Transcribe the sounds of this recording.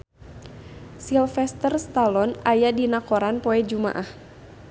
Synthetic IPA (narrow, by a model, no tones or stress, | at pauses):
silfɛst̪ərst̪alɔnajadinakɔɾanpɔɛd͡ʒuma̰ʔah